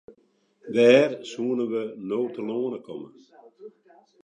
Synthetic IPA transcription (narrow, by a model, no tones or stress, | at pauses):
dɛːrsuːənəʋənoːtəloːənəkʰɔmə̰